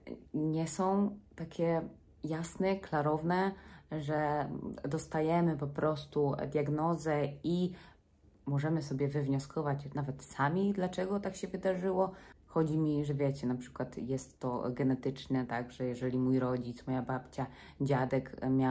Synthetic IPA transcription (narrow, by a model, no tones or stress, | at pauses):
ɲɛsɔ̃w̃t̪akʲɛ | jasnɛklaɾɔvnɛʐɛd̪ɔst̪ajɛmɘpɔpɾɔst̪ud̪ʲjaɡnɔzɛi | mɔʐɛmɘsɔbʲjɛvɘvɲɔskʰɔvat͡ɕnavɛt̪samʲid̪lat͡ʂɛɡɔt̪akɕɛvɘd̪aʐɘwɔxɔd͡ʑimʲiʐɛvʲjɛt͡ɕɛnapʂɘ̥kwat̪jɛst̪ːɔɡɛnɛt̪ɘt͡ʂnɛt̪aɡʐɛjɛʐɛlʲimujɾɔd͡ʑit̪smɔjabapt͡ɕa | d͡ʑad̪ɛkmʲja